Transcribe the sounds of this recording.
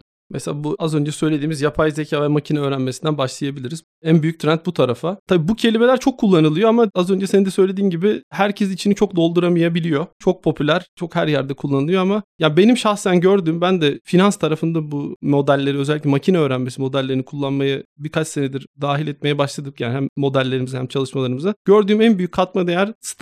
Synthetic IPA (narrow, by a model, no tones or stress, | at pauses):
mʔɛ̰selʲaːbuazø̞nd͡ʒɛsø̞jlʲe̞d̪iːmizjapʰajzecʰaːvɛmacʰinaøːɾænmesind̪ænbaʃlˠɯjabilʲiɾiz | ænbyjyc̚t̪ʰɾænt̪̚but̪ʰaɾafat̪ʰabiːbucʰe̞lʲime̞lʲæɾt͡ʃʰo̞kʰːulˠːanɯlˠɯjoamaazø̞nd͡ʒɛse̞nid̪ɛsø̞jlʲe̞d̪iːnɟibɪhæɾcʰes̬it͡ʃʰinit͡ʃʰo̞k̚d̪o̞lˠd̪uɾamijabilʲijo̞t͡ʃʰo̞k̚pʰo̞pʰylʲæɾ̥t͡ʃʰo̞khæɾjæɾd̪ɛkʰulˠːanɯlˠɯjo̞amajaːnbe̞nimʃaxsænɟøɾd̪yːmbænd̪ɛfinanst̪ʰaɾafɯnd̪abumo̞d̪ælʲːe̞ɾiø̞zɛlʲːiclʲɛmacʰinɛøːɾænmesimo̞d̪ælʲːe̞ɾinikʰulˠːanmajabiɾkʰat͡ʃsened̪iɾd̪aːɦilʲɛt̪me̞jɛbaʃlˠad̪ɯkjaːnihɦæmːo̞d̪ælʲːe̞ɾimizɛhæmt͡ʃʰalˠɯʃmalˠaɾɯmɯzaɟ̥øɾd̪yːmænbyjycʰːat̪mad̪ejæɾst̪